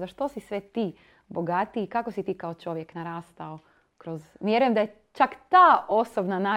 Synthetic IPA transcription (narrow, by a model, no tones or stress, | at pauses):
zaʃt̪o̞sisʋet̪iː | boɡat̪iːkakosit̪iːkaot͡ʃo̞ʋjeknaɾaːst̪ao | kɾo̞zʋjeɾujemd̪aje | t͡ʃakt̪aːo̞sobnana